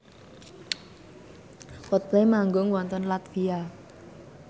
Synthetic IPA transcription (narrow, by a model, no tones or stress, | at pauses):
wɔt̪̚plemaŋɡʊŋwɔnt̪ənlat̪fia